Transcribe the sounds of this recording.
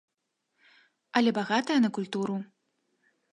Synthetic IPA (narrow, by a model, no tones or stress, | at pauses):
ɐlʲɛbaɣat̪ɐjɐnɐkulʲt̪uɾu